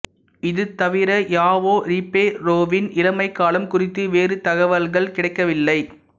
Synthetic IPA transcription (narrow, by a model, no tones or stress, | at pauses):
ɪðɯt̪ɐʋɪɾɐjaːʋoːɾipːeːɾoːʋɪnɪlɐmɐɪkːaːlɐmkʊrɪt̪ːɯʋeːɾɯt̪ɐɣɐʋɐlɣɐɭkɪɽɐɪkːɐʋɪlːɐɪ